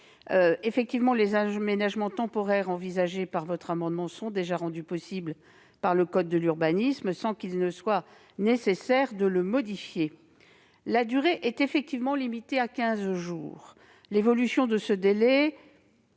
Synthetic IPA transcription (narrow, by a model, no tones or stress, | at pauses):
øefɛk̚t̪ivmɑ̃lezaʒmenaʒmɑ̃t̪ɑ̃pɔʁɛʁɑ̃vizaʒepaʁvɔt̪χamɑ̃d̪mɑ̃sɔ̃d̪eʒaʁɑ̃d̪ypɔsibl | paʁləkɔd̪̚ːəlyʁbanismsɑ̃kilnəswa | nesesɛʁd̪ələmɔd̪ifje | lad̪yʁeʔɛt̪efɛk̚t̪ivmɑ̃limit̪eakʲɛ̃zʒuːʁ | levɔlysjɔ̃d̪əsəd̪elɛ